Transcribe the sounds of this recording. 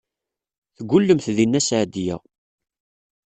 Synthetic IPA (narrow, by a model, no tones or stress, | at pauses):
θəɡʷːʊlːəmθðinːæsʕd̪jæ̰